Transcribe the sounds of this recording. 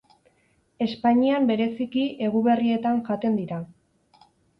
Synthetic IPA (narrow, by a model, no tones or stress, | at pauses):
e̞spaɲiambe̞ɾe̞sikiʔe̞ɣ̞uβe̞rie̞t̪aŋʝat̪e̞nd̪iɾa